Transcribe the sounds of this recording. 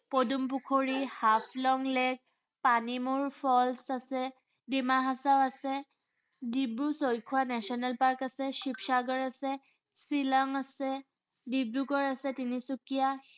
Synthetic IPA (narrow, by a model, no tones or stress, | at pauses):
podump̬ukʰoɹihapʰlɔŋlɛk̚ | panimuɹpʰɔlsasɛ | dimaɦasawasɛ | dibɹusojkʰuwanɛsiɔnɛlpaɹkasɛʃipsaɡɔɹasɛ | silaŋasɛ | dibɹukɔɹasɛtinisukija